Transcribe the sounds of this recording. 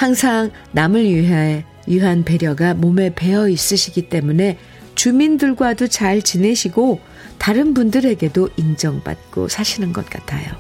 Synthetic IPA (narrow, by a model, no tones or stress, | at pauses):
haŋsʰaŋ | namɯɭɥiɦae | jiɦanpe̞ɾjʌɡamome̞pe̞ʌis͈ɯɕʰiɡit͈e̞mune̞ | t͡ɕumindɯɭɡwadot͡ɕaɭt͡ɕine̞ɕʰiɡo | taɾɯnbundɯɾe̞ɡe̞doʔind͡ʑʌŋba̰t̚k͈o̰sʰaɕʰinɯnɡʌt̚k͈a̰tʰajo̰